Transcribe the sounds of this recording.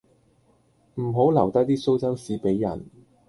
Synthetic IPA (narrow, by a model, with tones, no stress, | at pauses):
m̩˨˩ɦo˨˥wlɐ˨˩wt̪ɐ˥k̚t̪iː˥so˥wt͡sɐ˥msiː˨˥pe˨˥jːɐ̰˨˩n